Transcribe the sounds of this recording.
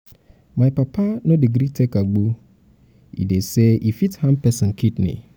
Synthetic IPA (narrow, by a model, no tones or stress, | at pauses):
mãjpapʰanʊ̃deɡɾitʰɛkaɡ͡bu | ḭdesɛʔifithãmpʰɛsɔ̃nkʰitnɪ̰̃